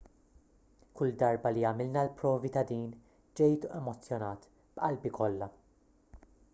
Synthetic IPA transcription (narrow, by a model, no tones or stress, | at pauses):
kʊld̪ɐɾbɐliɐmɪlnɐlpɾɔːvit̪ɐd̪iːn | d͡ʒɛjt̪uʔɛmɔt͡sːjɔnɐːt̪ | b̥ʔɐlbikʰɔlːɐ